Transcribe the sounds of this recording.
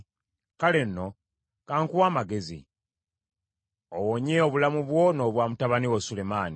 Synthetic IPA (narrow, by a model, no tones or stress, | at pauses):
kale̞nːo̞ | kaːŋkuwaːmaɡe̞zḭ | owoɲeoβulamuβwo̞no̞ːβwaːmutaβaniwosule̞maːni